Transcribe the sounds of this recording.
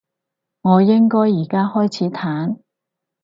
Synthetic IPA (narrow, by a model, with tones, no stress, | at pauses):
ŋɔː˨˧jɪ˥ŋkɔː˥jːiː˨˩kaː˥hɔː˥jt͡sʰiː˨˥t̪ʰaː˨˥n